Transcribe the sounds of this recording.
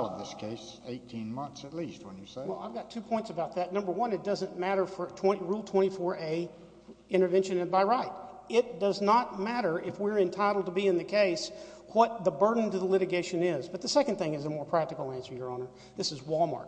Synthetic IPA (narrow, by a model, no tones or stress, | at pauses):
lˠʌvðɪskʰeɪs | eɪtʰĩnmʌ̃nθsɨtˡlist̚wə̰̃njɨsewɛlˠaɪvɡɑtʰʉpʰɔ̃ɪ̃ntsəbaʊt̪̚ðɨtⁿnʌ̃mbə˞wʌ̃nɨt̚d̥ʌzɨ̃nmæɾə˞fə˞tʰw̥ɛ̃ñiɹulˠtʰw̥ɛ̃ɾ̃ifɔɹʔeɪ | ɪ̃ɾ̃ə˞vɛ̃nʃɨ̃nɨ̃nbaɪɹaɪɾɪt̚d̥ʌznət̚mæɾə˞ʔɪfwɪɹɨ̃ntʰaɪɾl̩ˠd̚təbiɨ̃nðɨkʰeɪs | wʌt̪̚ðəbɜ˞dⁿn̩tɨðəlɪɾɨɡeɪʃɨ̃nɪzbʌt̪̚ðɨsɛkn̩θɪ̃ŋɨzəmɔɹpʰɹ̥æk̚tɨkl̩ˠæ̃nsə˞jə˞õʊ̃nə˞ | ðɪsɨzwɔlˠmɑ̰ɹk̚